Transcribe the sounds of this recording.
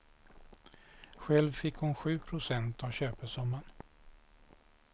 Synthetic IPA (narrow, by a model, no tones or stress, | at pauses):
ɧɛlvfɪkhʊnɧʉ̟ːpʰɾʊsɛnt̪avɕøːpəsɔmːaɳ